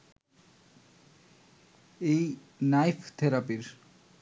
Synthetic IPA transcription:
ej | najfʰt̪ʰeɾapiɾ

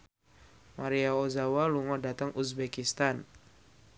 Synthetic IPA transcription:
maɾiaozawaluŋɔdat̪aŋʔusbɛkist̪an

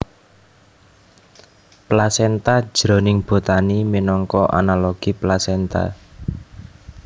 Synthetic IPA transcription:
plasɛnt̪ḁʒ̥ɾo̤nɪŋb̥o̤t̪animinɔŋkɔʔa̰nalɔɡ̥iplasɛnt̪a̰

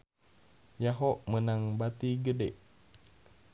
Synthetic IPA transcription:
jaɦɔʔmənaŋbat̪iɡədeʔ

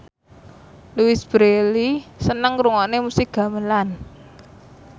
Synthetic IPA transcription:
luwisb̥ɾelisənəŋkɾuŋɔʔnemusɪk̚ɡ̥ä̤məlan

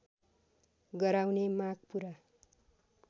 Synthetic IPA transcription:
ɡʌɾawnemaɡpuɾa

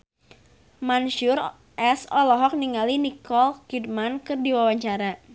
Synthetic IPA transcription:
manʃur | ʔɛsɔlɔɦɔk̚niŋalinikɔlkid̚mankɨrdiwawaɲt͡ʃaɾa

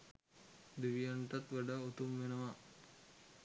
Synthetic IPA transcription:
d̪iʋijaɳʈat̪ʋəɖaut̪umʋenəʋa

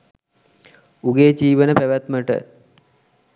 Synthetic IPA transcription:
uɡeːd͡ʒiːʋənəpæʋæt̪məʈə̰

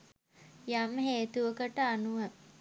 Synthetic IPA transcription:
jamɦeːt̪uʋəkəʈəanuʋə

